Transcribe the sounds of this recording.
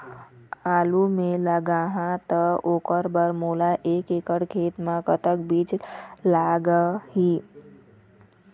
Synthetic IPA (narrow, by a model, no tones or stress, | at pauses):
aːlumẽləɡaɦãt̪əoːkəɾbəɾmoːlaʔeːkeːkəɽkʰeːt̪mãkət̪əkbiːd͡ʒlaːɡəhiː